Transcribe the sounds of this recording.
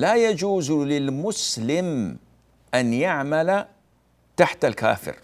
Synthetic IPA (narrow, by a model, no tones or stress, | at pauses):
lajad͡ʒuːzlɪlmʊslɪm | ʔanjaʕmala | t̪aħt̪alka̰ːfɪ̰ɾ